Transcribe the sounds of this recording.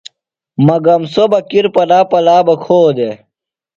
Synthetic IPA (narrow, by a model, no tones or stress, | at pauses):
mɐɡɐmsobɐkiɾpɐlaːpɐlaːbɐkʰoːd̪e